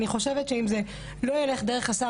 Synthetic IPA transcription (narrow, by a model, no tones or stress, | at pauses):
niχo̞ʃevetʃeimze | lo̞jele̞χd̪e̞ʁe̞χasa